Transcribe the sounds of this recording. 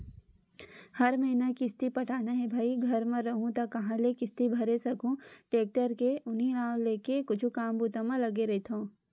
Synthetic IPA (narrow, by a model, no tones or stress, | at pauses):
hɐɾmɐɦɪnakɪst̪ipɐʈʰaːnaɦebʱaːiɡʱɐɾmɐ̃ɾɐɦũt̪akɐɦãlekɪst̪ibʱɐɾesɐkũʈeːk̚ʈəɾkeʔʊnɦiɾãːw̃leːkekʊt͡ʃʰukaːmbuːt̪amãlɐɡeɾɐɦit̪ʰõː